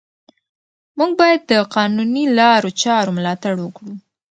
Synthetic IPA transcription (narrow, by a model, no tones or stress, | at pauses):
muɡ̚bɑjad̪ːəqɑnunilɑɾot͡ʃɑɾomlɑt̪aɽwəkɽu